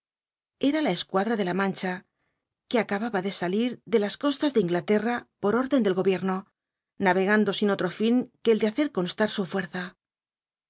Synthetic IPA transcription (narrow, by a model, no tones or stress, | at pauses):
e̞ɾalae̞skwaðɾaðe̞lamãnt͡ʃa | keakaβaβaðe̞saliɾðe̞lasko̞st̪azðeiŋɡlat̪e̞rapo̞ɾo̞ɾðe̞nd̪e̞lɣo̞βje̞ɾno̞ | naβe̞ɣand̪o̞sino̞t̪ɾo̞fiŋke̞ːld̪eaθe̞ɾko̞nst̪aɾsufwe̞ɾθa